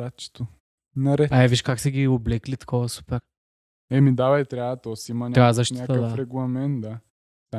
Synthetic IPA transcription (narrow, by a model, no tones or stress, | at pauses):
att͡ʃɛ̥t̪o | nɐɾɛaɛviʃkaksɛɡʲioblɛklit̪ɐ̥kʰɔvɐsu̥pɛɾ | ɛmid̪avɐit̪ɾʲaət̪ɔsiimɐnʲkazəʃtnʲakt̪əd̪afɾɛɡlˠɐmɛnt̪̚d̪a | sa